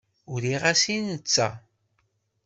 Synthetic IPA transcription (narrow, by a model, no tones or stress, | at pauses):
ʊɾiʁasinət͡sːa̰